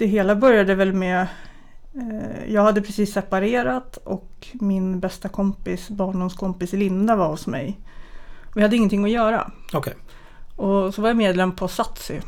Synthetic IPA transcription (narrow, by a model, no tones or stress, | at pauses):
d̪̥ɛɦeːlabœɾjad̪əvɛlmɛ | jɑːɡhad̪ːəpʰɾɛsiːsːɛpaɾeːɾat̪ɔ̰kmɪnbɛst̪akʰɔmpɪsbɑːɳɖʊmskʰɔmpɪsɪlɪnd̪avaɾhʊsmɛ̰j | ɔvɪhad̪ːəɪŋːənt̪ʰɪŋːɔjœːɾa̰ɔkʰ | ɔsɔvajameːd̪lɛmːpʰɔsat̪sɪ